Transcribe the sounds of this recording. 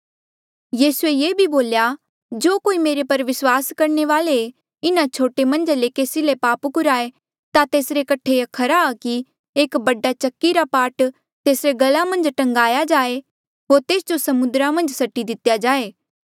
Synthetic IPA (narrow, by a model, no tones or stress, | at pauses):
jiːsuejeːbʱiboːlja | d͡ʒoːkoːimeːɾepɐɾʋɪswaːskɐɾneʋaːle | ɪnat͡ʃʰoːʈemɐ̃nd͡ʒalekeːsilepaːpkʊɾaːe | t̪at̪eːsɾekɐʈʰːeɐkʰəɾaːki | eːkbɐɖat͡ʃɐkːiɾapaːɾʈ | t̪eːsɾeɡɐlamɐ̃nd͡ʒʈɐ̃ŋɡaːjad͡ʒaːe | ɦoːɾt̪eːsd͡ʒosɐmʊnd̪ɾamɐ̃nd͡ʒsɐʈːid̪ɪt̪jad͡ʒaːeː